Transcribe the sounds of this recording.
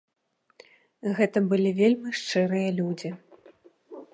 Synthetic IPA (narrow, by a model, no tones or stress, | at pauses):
ɣɛt̪ɐbɨlʲivʲelʲmʲiʂt͡ʂɨɾɨjɐlʲud͡zʲi